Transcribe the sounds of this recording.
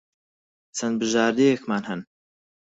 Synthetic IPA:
t͡sʰɐn̚bɨʒaːɾd̪ejɛkmaːnhɐn

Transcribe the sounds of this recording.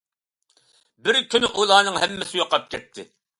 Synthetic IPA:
bɪɾkʲʰynɪʔulˠɑːnɨŋhɛmːɪsɪjoqɑp̚kʲʰɛt̪ʰːɪ̰

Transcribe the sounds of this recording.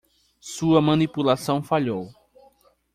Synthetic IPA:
suɐmɐ̃nipulasɐ̃w̃faʎow

